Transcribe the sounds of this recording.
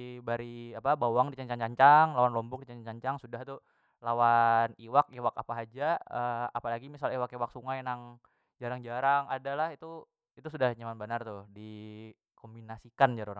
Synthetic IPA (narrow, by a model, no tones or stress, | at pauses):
baɾiapabawaŋdit͡ʃaɲt͡ʃaŋt͡ʃaɲt͡ʃaŋlawanlɔmbʊk̚dit͡ʃaɲat͡ʃaɲt͡ʃaŋsudaht̪u | lawaniwakewaka̰paɦad͡ʒaəa̰palaɡimisalewakewak̚suŋajnaŋ | d͡ʒaɾaŋd͡ʒaɾaŋadalahit̪u | it̪usudahɲamanbanart̪ʊhdi | kombinasikand͡ʒaɾoɾa